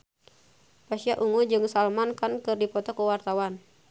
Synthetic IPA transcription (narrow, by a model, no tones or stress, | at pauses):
pasiaʔuŋud͡ʒɨŋsalmankankɨrdipɔt̪ɔkuwart̪awan